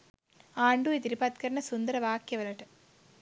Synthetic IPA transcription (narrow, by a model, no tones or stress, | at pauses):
aːɳɖuit̪iɾipɐt̪̚kɐɾɐɳɐsund̪ɐɾɐʋaːkjɐʋɐlɐʈɐ